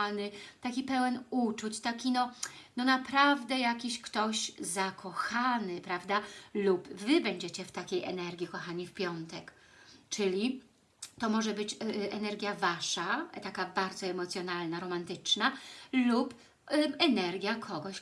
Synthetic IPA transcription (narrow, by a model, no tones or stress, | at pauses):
nɘt̪akʲipɛwɛnut͡ʂut͡ɕt̪akʲinɔnɔnapɾavd̪ɛjakʲiɕkt̪ɔɕzakʰɔxanɘpɾavd̪alupvɘbɛɲd͡ʑet͡ɕɛft̪akʲejʔɛ̰nɛɾɡʲikɔxaɲifpʲjɔnt̪ɛk | t͡ʂɘlʲi | t̪ɔmɔʐɛbɘt͡ɕʔɛnɛɾɡʲjavaʂat̪akabaɾd̪zɔɛmɔt̪sʲjɔnalnaɾɔmant̪ɘt͡ʂnalup | ɛnɛɾɡʲjakʰɔɡɔɕ